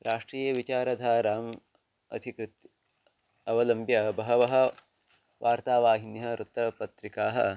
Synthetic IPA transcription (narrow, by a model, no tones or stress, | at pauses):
ɾaːʂʈɾiːjɐʋit͡ʃaːɾɐd̪ʱaːɾaːm | ɐ̰d̪ʰʱikɾɨt̪ | ɐʋɐlɐmbjɐbɐɦɐʋɐɦɐ̆ | ʋʔaːɾt̪aːʋaːɦinjɐɾʔut̪ɾɐpɐt̪ɾikaːɦɐ̰